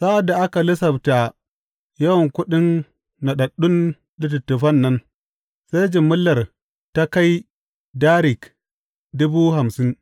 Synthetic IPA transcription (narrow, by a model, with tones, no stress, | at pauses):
sa˦ʔa˨dːa˨ʔa˦ka˨lɪ˦sɐ˨bta˨ | jɐ˦wɐ˨ŋkʷʊ˦ɗɪ˦nː | a˨ɗɐ˨ɗʊ˦n | dɪ˦tɪ˨tːʊ˨ɸɐ˦nːɐ˦n | sa˦jd͡ʒɪ˨mːʊ˦lːɐ˨r | ta˦ka˦j | daː˦ɾɪ˨k | dʊ˦bu˦ɦa˨msɪ˦n